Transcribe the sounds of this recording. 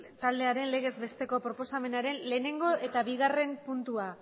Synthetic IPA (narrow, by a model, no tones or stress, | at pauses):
t̪ald̪e̞aɾe̞nle̞ɣ̞e̞zbe̞st̪e̞ko̞pɾo̞po̞same̞naɾe̞nle̞ne̞ŋɡo̞ʔe̞t̪aβiɣare̞mpunt̪ua